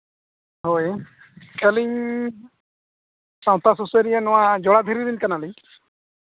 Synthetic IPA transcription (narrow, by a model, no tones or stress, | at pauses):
ɦoj | kɛliɲ | saw̃t̪asuseɾijɛnɔwad͡ʒɔɽad̪ʱiɾiɾinkanaliɲ